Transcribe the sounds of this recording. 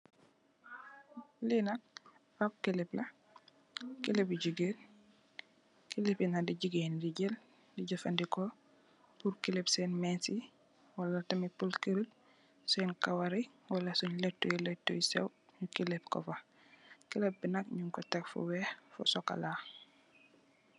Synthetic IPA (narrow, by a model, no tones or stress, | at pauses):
linɐk̚ | ap̚kilɛplɐ | kilepiɟiɡeːn | kilipinadiɟiɡendiɟɛl | diɟɐfɐndikɔ | puɾkilɛpsɛːnmɛːnsi | wɐlɐtɐmipulkəɾul | sɛːnkawɐɾi | wɐlɐsuɲlɛtːujilɛtːujsɛ̰wɲukilɛp̚kɔ̰fɐ | kilɛp̚binɐkɲuŋkɔtɛkfṵwɛhfṵsɔka̰laː